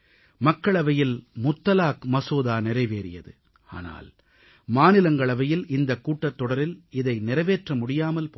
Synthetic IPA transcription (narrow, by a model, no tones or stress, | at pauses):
mɐkːɐɭɐʋɐjɪlmʊt̪ːɐlaːkmɐsoːðaːnɪɾɐɪʋeːɾɪjɐ̰ðɯ | a̰ːna̰ːl | maːnɪlɐŋɡɐɭɐʋɐjɪlɪnd̪ɐkːuːʈːɐt̪ːɔɽɐɾɪlɪðɐɪnɪɾɐʋeːʈrɐmʊɽɪjaːmɐlpː